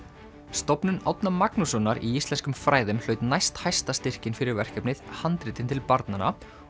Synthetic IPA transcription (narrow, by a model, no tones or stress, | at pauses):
st̪ɔpnʏna̰wt̪namaknusɔnːaɾiist̪lɛnskʏmfɾaːjðʏmlœɥt̪najst̪hajst̪ast̪ɪr̥cɪnfɪɾɪɾvɛr̥cɛpnɪðhant̪ɾɪːt̪ɪnt̪ʰɪlpaɾt̪nana̰